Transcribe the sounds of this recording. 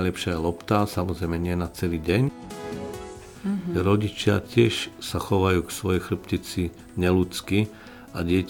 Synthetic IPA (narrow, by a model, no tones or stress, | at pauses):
jlɛpʃɪaɛlɔpt̪asamɔzɾɛjmɛɲɪɛnat͡sɛliːɟɛɲ | ɾɔɟit͡ʃɪacɪɛʃsaxɔʋajuːksʋɔjɛjxlr̩pcit͡si | ɲɛlut͡ski | aɟɪɛc